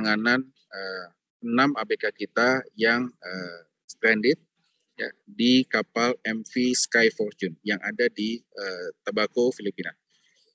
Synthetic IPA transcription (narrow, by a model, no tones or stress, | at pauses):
ŋanan | ə | ənamabekakit̪ajaŋə | sə̥t̪ɛndɪt̪̚ | jadikapalɛmfiskajfɔrt͡ʃunjaŋadadiət̪əbakofilipina